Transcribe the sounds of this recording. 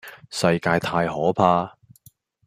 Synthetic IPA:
sɐ˧jkaː˧jt̪ʰaː˧jhɔː˨˥pʰaː˧

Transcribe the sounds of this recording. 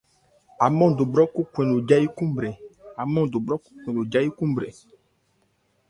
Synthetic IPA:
a˨mɔ̃˦˨do˨bɾɔ˦ku˦kʷɛ̃˨lo˨d͡ʒa˦ji˦kũ˦m˦bɾɛ˨a˨mɔ̃˦do˨bɾɔ˦ku̥˦kʷɛ̃˨lo˨d͡ʒa˦ji˦kũ˦m˦bɾe˨

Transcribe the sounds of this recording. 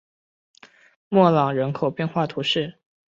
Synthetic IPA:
mwɔ˥˩lɑ˨˩ŋɻə˧˥nkʰo˨˩ʊpjɛ˥˧nxwa˥˩t̪ʰu˧˥ʂɻ̩˥˩

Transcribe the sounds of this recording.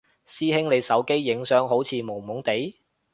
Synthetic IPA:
siː˥hɪ˥ŋne˨˧jsɐ˨˥wke˥jːɪ˨˥ŋsœː˨˥ŋɦo˨˥wt͡sʰiː˨˧mo˨˩wmʊ˨˥ŋt̪e˨˥j

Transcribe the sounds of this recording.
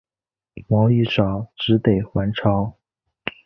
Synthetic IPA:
mɑ˧˥ʊi˥˩ʂɑ˨˩ʊʈ͡ʂɻ̩˧˥t̪e˨˩ɪxwa˧˥nʈ͡ʂʰɑ˧˥ʊ

